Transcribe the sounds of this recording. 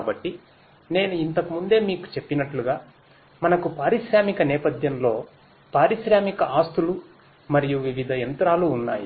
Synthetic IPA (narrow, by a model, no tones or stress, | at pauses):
kaːbɐʈːi | ne̞ːnuint̪ɐkumund̪e̞ːmiːku̥t͡ʃe̞pːinɐʈluɡaː | mɐnɐkupaːɾiʃɾaːmikɐnɛːpɐd̪ʱjɐmlo̞ː | paːɾiʃɾaːmikɐʔaːst̪ulu | mɐɾijuʋiʋid̪ʱɐjɐnt̪ɾaːluːnːa̰ːjḭ